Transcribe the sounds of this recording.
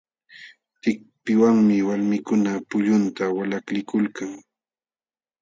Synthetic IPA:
t̪ɪk̚ | pɪwaŋmɪwalmɪkʊnapʊʎʊnt̪awalaklɪkʊlkaŋ

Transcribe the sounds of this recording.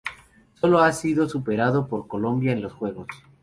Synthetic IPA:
so̞lo̞asiðo̞supe̞ɾaðo̞po̞ɾko̞lo̞mbjaenlo̞sxwe̞ɣ̞o̞s

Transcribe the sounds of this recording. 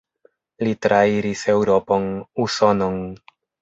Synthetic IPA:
litɾʔaiɾise̞wɾo̞po̞nuso̞no̞n

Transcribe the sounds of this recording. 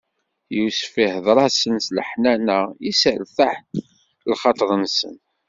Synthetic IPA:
jusfihəðˤɾˤɑsənslə̰ħnænæisəlθaħ | lχɑt̪ˤəɾˤənsə̰n

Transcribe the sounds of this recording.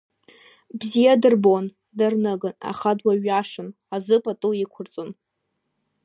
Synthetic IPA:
bzijadɨrbon | darnɨɡɨna̰χadwaɥaʂɨn | azɨpʼatʼuikʷʰʊrt͡sʼon

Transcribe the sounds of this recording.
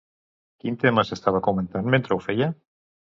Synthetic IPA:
kint̪emasest̪aβ̞akoment̪anment̪ɾewfeja

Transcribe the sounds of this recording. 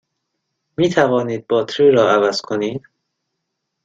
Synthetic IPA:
miːt̪ʰævɒːniːd̪̚bɒːt̪ʰɾiːɾɒːævæz̥kʰoniːd̪̥

